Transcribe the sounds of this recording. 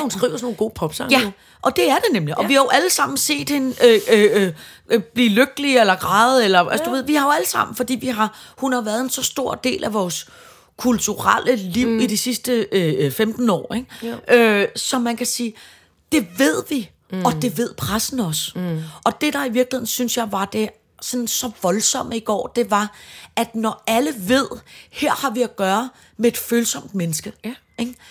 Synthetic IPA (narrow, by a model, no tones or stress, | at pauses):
hunsɡ̥ʁḭːʊ̰ɐsɔno̝ːl̩ɡo̝̰ːpʰɒ̽b̥sɑ̈ŋjæ | ʔɒ̽d̥e̝æɐd̥e̝nemliʔɒ̽ʋihɑ̈jo̝ʔæləsɑ̈m̰n̩se̝̰ːd̥he̝nøø | b̥liːløɡ̥əlielɐɡ̥ʁɑ̈ːð̩ˠelɐæsd̥uʋe̝ð̞̰ˠʋihɑ̈jo̝æləsɑ̈m̰n̩fɒ̽d̥ḭːʋiɦɑ̈hunhɑ̈ʋæːɐð̞̩ˠe̝nsɒ̽sd̥o̝ɐ̰d̥e̝̰ːlʔæʋɒːs | kʰult͡sʰuʁalʔəliʊ̰id̥isisd̥əøfemd̥n̩ɒ̰ːeɡ̥ʔøsɒ̽mænkʰæsiː | d̥e̝ʋe̝ð̞̰ˠʋi | ɒ̽d̥e̝ʋe̝ð̞̰ˠpʰʁasn̩ɒ̽sʔɒ̽d̥e̝d̥ɑ̈iʋiɐɡ̥lihe̝ð̰ˠn̩synsjɑ̈ɪʋɑ̈d̥e̝ | sɒ̽nsɒ̽ʋɒ̽lsɒ̽m̰əiɡ̥ɒ̰ːd̥e̝ʋɑ̈ʔæd̥nɒæləʋe̝ð̞̰ˠheɐ̰hɑ̈ʋiæɡ̥ɶːɐ | mee̝d̥føːlsɒ̽m̰d̥menəsɡ̥ə | eɡ̥